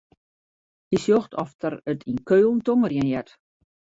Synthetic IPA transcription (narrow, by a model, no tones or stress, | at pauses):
hisjoxtʰɔ̰ftəɾətʰinkøːlˠn̩toŋərjənjɛt